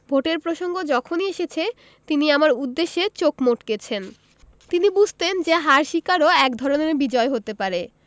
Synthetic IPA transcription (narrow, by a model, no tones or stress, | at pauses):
bʱoʈeɾpɾoʃoŋɡod͡ʑɔkʰonieʃet͡ɕʰe | t̪iniamaɾud̪ːeʃːet͡ɕokmoʈket͡ɕʰen | t̪inibud͡ʑʱt̪end͡ʑeɦaɾʃikaɾoɛkd̪ʱɔɾoneɾbid͡ʑɔeɦot̪epaɾe